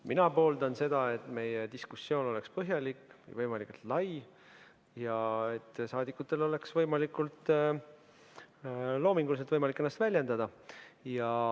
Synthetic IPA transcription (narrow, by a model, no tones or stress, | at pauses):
minɑpo̞ːld̪ɑnse̞d̪̥ɑe̞t̪ːˑme̞jed̪̥iskusːjo̞ːno̞le̞kspɤɦjɑlikːvɯ̰jvɤjmɑlikːult̪lɑj | jɑe̞t̪ːsɑːd̪ikːut̪ːˑe̞lo̞le̞ksvɤ̞jmɑlikult̪ | lo̞ːmiŋɡulis̬et̪vɤjmɑlikːˑenːɑst̪vælʲje̞nd̪ɑd̪̥ɑjɑ